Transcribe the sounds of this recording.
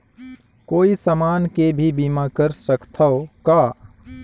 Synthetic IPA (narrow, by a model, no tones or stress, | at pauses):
koːisəmaːnkebʱibiːmakəɾsəkt̪ʰaokaː